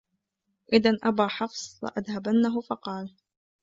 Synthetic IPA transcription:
ʔɪðanʔabaːħɑfsˤla̰ʔaðhabanːaɦʊfɑqɑːl

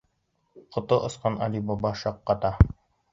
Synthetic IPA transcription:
qŏt̪oʔŏsqɑnɑlʲibobɑʃɑqːɑt̪ɑ

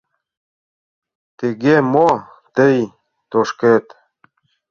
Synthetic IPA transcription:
t̪eɡemo | t̪əj | t̪oʃket̪

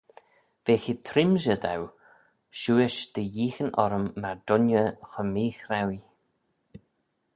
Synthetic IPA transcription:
v̥exɪt̪ʰɾɪmʒəd̪a̰w | ʃuːɪʃd̪̥əjiːxənʔɔɾəmːaɹd̪̥ʊnjəxəmiːxɾawj

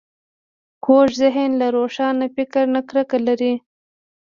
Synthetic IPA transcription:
koʃzɪɦɪnlaɾoʂɑnafɪkɪɾnakɾəkalaɾi

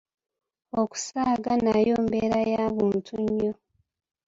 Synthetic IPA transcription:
oku̥saːɡanajoːmbeːɾajaːβuːntʰuɲːo

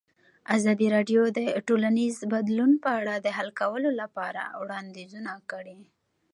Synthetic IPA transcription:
azɑd̪iɾɑɖjod̪əʈolanizbad̪lunpəaɽad̪əɦalkawəlolapɑɾa̰wɽɑnd̪izunakəɽi

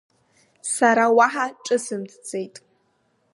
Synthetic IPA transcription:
saɾawaħaʈ͡ʂʼɨsɨmtʰt͡sʼejtʼ

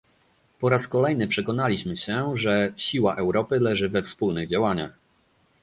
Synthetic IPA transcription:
pɔɾaskɔlɛjn̪ɘpʂɛkɔn̪alʲiɕmɘɕɛʐɛɕiwaʔɛwɾɔpɘlɛʐɘvɛfspulnɘɣd͡ʑawaɲa̰x

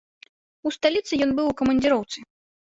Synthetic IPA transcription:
ust̪alʲit̪sɨjɔnbɨwukɐmɐnʲd͡zʲiɾɔwt̪sɨ

